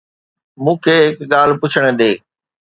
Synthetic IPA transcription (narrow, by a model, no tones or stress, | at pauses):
mũːkʰeːɦɪkɠaːl̤pʊt͡ɕʰəɽ̃ə̆ɗeː